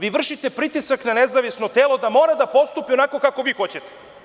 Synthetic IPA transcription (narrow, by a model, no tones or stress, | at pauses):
ʋiʋr̩ʃit̪e̞pɾit̪isaknanezaʋisnot̪eːlo̞d̪amo̞ːɾad̪apo̞st̪upionako̞kako̞ʋiːxo̞t͡ɕet̪e̥